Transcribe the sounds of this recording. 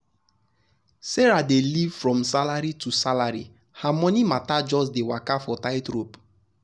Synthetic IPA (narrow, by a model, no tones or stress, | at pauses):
seɾadelivfɹɔ̃msalaɾitusalaɾḭ | hamɔnimatad͡ʒɔs̬dewakafɔtaɪtɾop